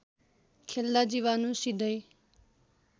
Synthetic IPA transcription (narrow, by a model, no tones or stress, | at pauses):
kʰelːad͡ʒiwanusid̪ʌj